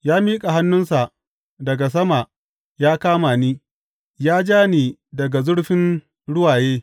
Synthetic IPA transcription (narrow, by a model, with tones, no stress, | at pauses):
jaː˦miː˦kʼa˨ɦa˦nːʊ˦nsa˨ʔ | dɐ˨ɡa˨s̬ɐ˦ma˨ | jaː˦kaː˦maː˨niː˦ | jaː˦d͡ʒaː˦niː˨dɐ˨ɡa˨zʊ˦ɽɸɪ˦n | ɽʊ˦waː˨jeː˦